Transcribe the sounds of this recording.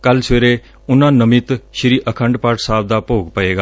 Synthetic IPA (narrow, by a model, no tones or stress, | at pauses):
kəlsʋeːɾeː | ʊnãːnəmɪt̪ʃɪɾiːʔəkʰə̃ɳɖpaːɾʈsaːb̚d̪aːpoːɡpəeːɡaː